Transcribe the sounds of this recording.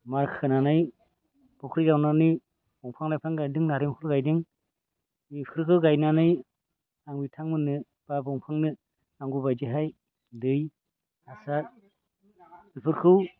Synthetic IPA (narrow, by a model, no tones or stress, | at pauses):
maɾkʰɯnanɯj | b̥ɔkʰɾiɡawnanɯj | bɔŋpʰaŋlajpʰaŋɡajdɯŋnaɾɯŋkʰɯɾɡajdɯŋ | ikʰɯɾkʰɯɡajnanɯj | aŋbitʰaŋmɯnɯ | b̥abɔŋpʰaŋnɯ | aŋɡubajziɦaj | dɯj | asa | ilpʰɯɾkʰɯw